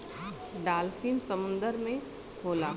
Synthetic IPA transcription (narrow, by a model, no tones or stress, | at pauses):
ɖaːlfiːnsəmʊ̃nd̪əɾmẽ | hoːlaː